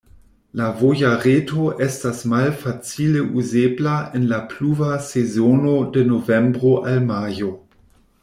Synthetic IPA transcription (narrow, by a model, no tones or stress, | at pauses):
lavojaʁeːtʰoʔɛstasmalfat͡siːləʔuzeːblaɪnlapʰluːvasezjoːnodɛnovɛmbʁoʔalmaːjo